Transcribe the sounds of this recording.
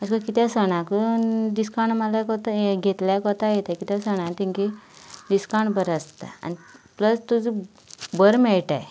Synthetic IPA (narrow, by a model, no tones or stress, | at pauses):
əskəkit̪ãsəɽ̃ãkəɖiskaɳɖmalakɔt̪aɡʱet̪ljakɔt̪ajet̪ajkit̪jãsəɽ̃ãt̪ĩŋkidiskaɳbəɾəst̪a̰a̰nipləst̪ud͡zi | bəɾmɛɭʈaj